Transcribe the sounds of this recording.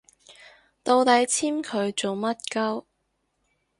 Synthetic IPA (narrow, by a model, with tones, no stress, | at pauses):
t̪o˧wt̪ɐ˨˥jt͡sʰiː˥mkʰɵ˨˧ɥt͡so˨wmɐ˥t̚kɐ˥w